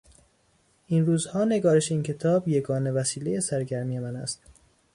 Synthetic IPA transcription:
ʔinɾuːzhɒːne̞ɡɒːɾe̞ʃeiːncʰe̞t̪ʰɒːbje̞ɡɒːne̞væsiːle̞je̞sæɾɟæɾmije̞mænæ̰st̪

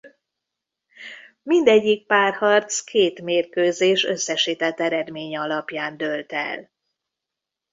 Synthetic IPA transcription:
mind̪ɛɟːik̚paːrhɒrt̪skʰeːt̪meːrkøːzeːʃøsːɛʃiːt̪ɛt̪ːɛɾɛd̪meːɲɛɒlɒpjaːnd̪ølt̪ɛ̰l

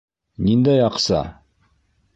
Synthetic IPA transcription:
nind̪æjɑqsɑ̰

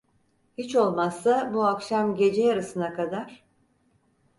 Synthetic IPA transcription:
hit͡ʃo̞lˠmasːabuakʃamɟe̞d͡ʒejaɾɯsɯnakad̪aɾ̥

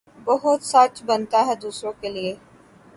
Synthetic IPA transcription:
bəɦʊt̪sət͡ʃbənt̪aːɦɛːd̪uːsɾõːkeːlɪeː

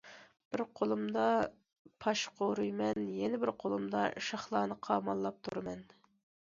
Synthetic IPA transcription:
b̥ɪɾqʰolˠɨmd̪ɑ | pʰɑʃqʰoɾujmɛnjɛnɪbɪɾqʰolˠumd̪ɑʃɑχlˠɑːnɨqʰɑːmɑlˠːɑp̚t̪ʰuɾɨmɛn

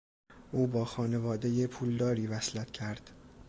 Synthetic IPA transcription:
ʔuːbɒːxɒːne̞vɒːd̪e̞jepʰuːld̪ɒːɾiːvæslæt̪ʰcʰæɾd̪̥

